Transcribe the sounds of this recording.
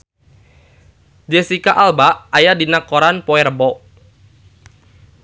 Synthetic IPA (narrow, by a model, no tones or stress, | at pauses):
d͡ʒɛsikaʔalbaʔːjadinakoɾanpɔɛɾəbɔ